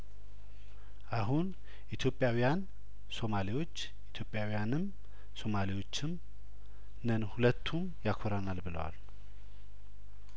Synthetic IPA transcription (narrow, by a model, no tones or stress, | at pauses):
ʔaɦun | ʔit̪ʰjo̞pʼːjawijan | so̞maliwo̞t͡ʃː | ʔit̪ʰjo̞pʼjawijanɨm | so̞maliwo̞t͡ʃːɪm | nənhulət̪ʰːum | jakʰoɾanalbɨlə̰wa̰l